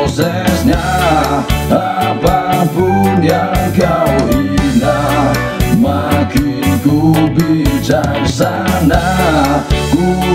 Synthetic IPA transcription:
sɛsɲa | apakuniakawina | makinkubit͡ʃansa | na | ku

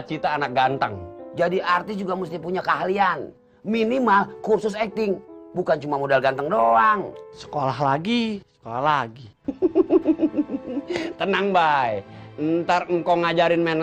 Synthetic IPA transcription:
t͡ʃit̪aːnak̚ɡant̪ə̰ŋd͡ʒadiart̪ɪsd͡ʒuɡamust̪ɪpuɲakaɦlian | minimalkursʊsɛk̚t̪ɪŋbukant͡ʃumamodalɡant̪əŋdoaŋsə̥kolaɦlaɡisə̥kolahlaɡi | t̪ənaŋbajnt̪arŋ̩kawŋad͡ʒaɾɪnmen

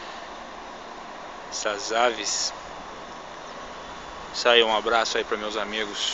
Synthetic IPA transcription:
sazavis | sajũabɾasʊaipɾɐmewzamiɡʊs

